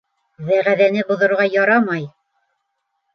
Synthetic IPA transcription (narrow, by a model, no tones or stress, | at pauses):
ðæʁæðænɘbŏðŏɾʁɑjɑɾɑmɑj